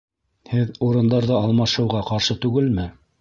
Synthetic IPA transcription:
hɘðuɾɤ̆nd̪ɑɾðɤɑlˠmɑʃɤ̆wʁɑqɑɾʃɤt̪ʉɡɘlmɘ

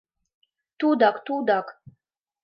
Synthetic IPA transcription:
t̪ud̪akt̪ud̪ak

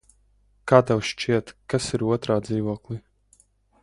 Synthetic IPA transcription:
kaːt̪awʃt͡ʃiɛt̪kasiɾuɔt̪ɾaːd̪ziːvuɔklˠi

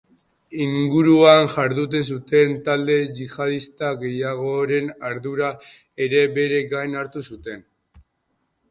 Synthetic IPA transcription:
iŋɡuɾuanʝaɾðut̪̬esut̪e̞nt̪ald̪e̞ʝiʝað̞ist̪aɣe̞jaɣo̞ɾe̞naɾðuɾa | e̞ɾe̞be̞ɾe̞ɡajnaɾt̪usut̪e̞n

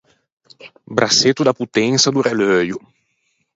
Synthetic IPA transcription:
bɾʔaset̪ud̪aput̪ɛŋsad̪uɾɛlœju

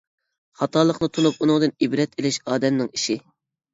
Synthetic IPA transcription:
χɑt̪ʰɑlˠəχnɨt̪ʰunup̚unɨŋd̪ɨnibɾɛt̪ʰelɪʃɑːd̪ɛmnɪŋiʃi

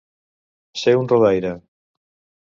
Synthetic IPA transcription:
seunroðajɾa

